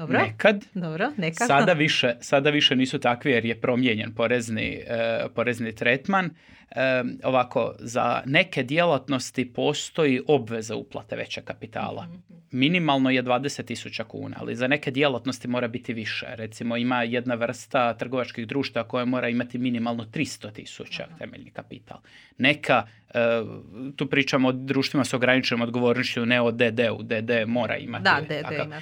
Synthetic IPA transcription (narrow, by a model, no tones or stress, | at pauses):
nekad̪d̪obɾoneksad̪aʋiʃesad̪aʋiʃeniːsut̪akʋijeɾjepɾo̞mjeɲe̞npo̞ɾe̞znḭpo̞ɾe̞znit̪ɾet̪man | o̞̰ʋakʰo̞̰za̰ne̞ke̞d̪je̞lat̪no̞st̪ipo̞ːst̪o̞jiʔo̞bʋe̞zeṵplˠa̰t̪e̞ʋe̞̰t͡ɕekapit̪a̰ːlˠa̰ | minimalˠnoje̞d̪ʋaːd̪eset̪ːisut͡ɕakṵːna̰a̰lḭzane̞ke̞d̪je̞lˠat̪no̞st̪imo̞ːɾabit̪iʋiʃḛɾet̪simo̞imaje̞d̪naʋr̩st̪at̪r̩ɡo̞ʋat͡ʃkiɣd̪ɾuːʃt̪aʋako̞jamo̞ːɾaimat̪iminimalˠno̞t̪ɾist̪ot̪ḭsut͡ɕa̰t̪e̞meʎnikapit̪ʰa̰lˠ | ne̞kʰa | t̪uːpɾiːt͡ʃamood̪ɾuːʃt̪ʋimasoɡɾanit͡ʃenomod̪ɡo̞ʋo̞ːɾnoʃt͡ɕuneo̞d̪ed̪eṵd̪ed̪emo̞ːɾa̰ḭmat̪a̰